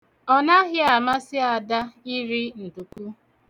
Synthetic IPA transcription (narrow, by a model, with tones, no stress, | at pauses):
ɔ˦na˦ɦɪ˦a˨ma˦sɪ˦a˨da˦i˦ɾi˦n̩˨du˨ku˦